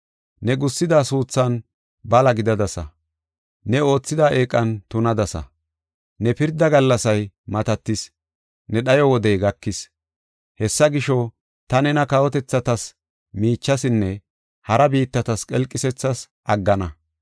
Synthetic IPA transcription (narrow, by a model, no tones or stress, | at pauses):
nɛɡʊsːɪd̪aːsuːt͡sːɐn | bɐlɐɡɪd̪ɐd̪ɐsɐ̰ | nɛo̞ːt͡sːɪd̪aːʔeːkʼːɐnt̪ʊnɐd̪ɐsɐ̰ | nɛpɪɾd̪ɐɡɐlːɐsɐj | mɐt̪ɐt̪ːɪs | nɛɗɐjɔwɔd̪ɛjɡɐkːɪs | hɛsːɐɡɪʃɔ | t̪ɐnɛnɐkɐwɔt̪ɛt͡sːɐt̪ɐs | miːt͡ʃːɐsɪnːɛ | hɐɾɐbiːt̪ːɐt̪ɐskʼɛlkʼːɪsɛt͡sːɐs | ʔɐɡːɐnɐ